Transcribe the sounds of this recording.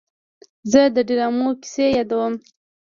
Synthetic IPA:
zəd̪əɖiɾɑmoki̥sejɑd̪awəm

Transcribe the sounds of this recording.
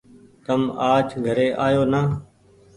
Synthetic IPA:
t̪əmaːd͡ʒɡʱəɾeːʔaːjoːnaː

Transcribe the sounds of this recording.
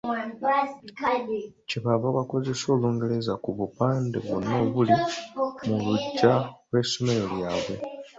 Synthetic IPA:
ciβaβaβako̞ze̞so̞ːluːŋɡe̞le̞zakuβupaːndḛβuno̞ːβulimuluɟːalwe̞ːso̞me̞leljaːβwe̞̰

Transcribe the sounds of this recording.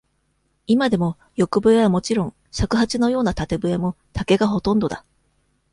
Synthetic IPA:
imad̪e̞mo̞ | jo̞kɯ̟bɯ̟eβamo̞t͡ɕiɾõ̞ŋ | ɕakɯ̟ɦat͡ɕino̞jo̞ːnat̪at̪e̞bɯ̟e̞mo̞ | t̪ake̞ɡaɦo̞t̪õ̞nd̪o̞d̪a

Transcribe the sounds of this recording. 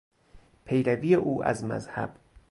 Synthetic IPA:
pʰe̞jɾæviːjeʔuːʔæ̰zmæ̰zhæ̰b̥

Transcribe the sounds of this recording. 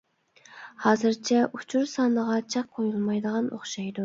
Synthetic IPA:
hɑːzɨɾt͡ʃʰɛʔut͡ʃʰuɾsɑːnəʁɑt͡ʃʰɑq̚qʰːojulˠmɑjd̪əʁɑnʔoχʃɑjd̪u

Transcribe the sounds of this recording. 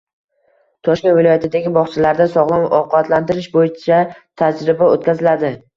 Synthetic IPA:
t̪ʰɒʃkʲe̞nvɪlɒjat̪ʰɪd̪aɡʲɪbɒχt͡ʃʰalaɾd̪asɒʁlˠanɒqbat̪ʰlant̪ɪɾɪʃbojɪt͡ʃʰat̪ʰad͡ʒɾɪbaot̪̚kʲazɪlad̪ɪ

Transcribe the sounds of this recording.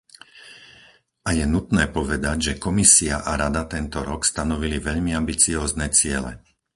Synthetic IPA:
ajɛnut̪nɛːpɔʋɛd̪aɟʒɛkɔmisiaʔaɾad̪at̪ɛnt̪ɔɾɔkst̪anɔʋiliʋɛʎmiambit͡siɔːznɛːt͡sɪɛlɛ̰

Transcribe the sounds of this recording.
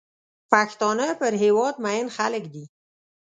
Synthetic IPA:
paxt̪ɑnəpəɾɦewɑd̪̚maɪnxaləkd̪i

